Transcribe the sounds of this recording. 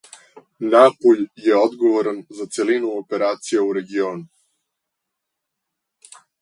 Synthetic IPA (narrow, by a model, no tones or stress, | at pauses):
napuʎjeod̪ɡo̞ʋoɾanzat̪se̞linuope̞ɾaːt̪sijeuɾe̞ɡioːnu